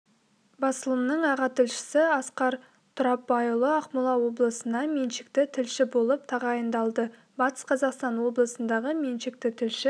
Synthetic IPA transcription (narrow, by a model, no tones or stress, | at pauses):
bɑsəlˠəmnəɴɑʁɑt̪ʰɪlʃɪ̥sɪɑsqɑɾ | t̪ʰʊɾɑpːɑjulˠəɑqmʊlˠɑwo̞blˠəsənd̪ɑmenʃɪ̥kt̪ɪt̪ʰɪlʃɪbo̞lˠəp̚t̪ʰɑʁɑjənd̪ɑlˠd̪ə | bɑt̪ə̥sqʰɑzɑqst̪ɑnwo̞blˠəsənd̪ɑʁəmenʃɪk̚t̪ɪt̪ʰɪlʃɪ